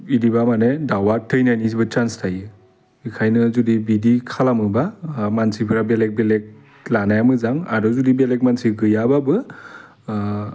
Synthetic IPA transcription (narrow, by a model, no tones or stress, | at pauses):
idibamanedawatʰɯjnajnisibɯt͡ʃanstʰajɯ | ikʰajnɯzudibidikʰalamɯbamansipʰɯɾabelek̚belek̚ | lanajamɯzaŋaɾɔzudibelek̚mansiɡɯjababɯ